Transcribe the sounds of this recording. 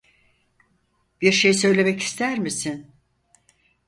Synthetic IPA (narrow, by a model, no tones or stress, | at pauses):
b̥iɾʃejsø̞jlʲe̞mɛci̥st̪ʰæɾmisin